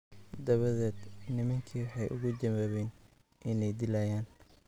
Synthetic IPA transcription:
d̪ɐβɐðɛːd̪nɪmɐŋkʰiːwɑħɑjʔʊ̰ɣʊd͡ʒɐwaːβɛːn | ʔɪnɛjd̪ɪlajaːn

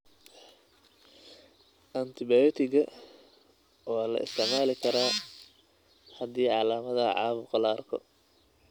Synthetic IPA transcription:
ʔɐnt̪ʰɪbɛjɔt̪ʰɪɣɐ | wɔːlɐ̰ʔɪ̰st̪ʰɛʕmaːlɪkʰɐɾaː | hɐd̪iːʕɑːlaːmɐðɐʕɑ̰ːβʊqɐlaːrkʰɔ̰

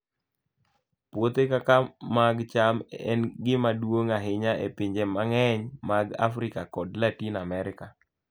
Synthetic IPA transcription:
pwot̪ekakamaɡt͡ʃamɛ̰nɡɪmadwoŋaɦɪɲaʔḛpɪɲd͡ʒɛmaŋɛɲmaɡa̰fɾɪkakɔdlatinamɛɾɪka

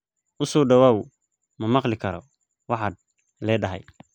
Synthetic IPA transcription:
ʔʊsɔːɖɐwaːw | mɐmɑqlɪkʰɐɾɔ̰ | wɑħɑd̪̚ | lɛːɖɐɦɛ̰j

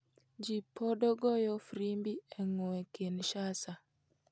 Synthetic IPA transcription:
d͡ʒipʰɔdɔɡɔjɔfɾimbiɛŋɔɛkenʃasa

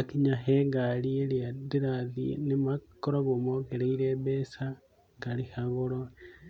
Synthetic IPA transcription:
akiɲaɦeɡaɾieɾeaðeɾaðḭnemakoɾaβomokeɾeiɾebesa | ŋɡaɾihaɣoɾo

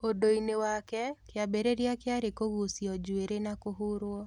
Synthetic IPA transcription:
odoinewakɛkeabeɾeɾjakɪaɾekoɣusjɔd͡ʒweɾenakoɦuɾwɔ

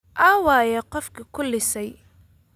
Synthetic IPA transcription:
ʔaːwaːjɛqɔfkʰɪkʰʊlːɪsɛj

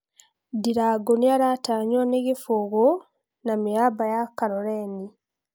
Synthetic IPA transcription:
diɾaɡoniaɾataːɲoneɡifuɡo | namijabajakaɾoɾeːni

